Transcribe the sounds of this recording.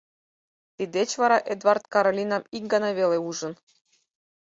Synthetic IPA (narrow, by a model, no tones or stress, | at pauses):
t̪id̪ʲet͡ɕvɑɾɑʔed̪vɑrt̪kɑɾolʲinɑmik̚ɡɑnɑβʲeleuʒɤ̆n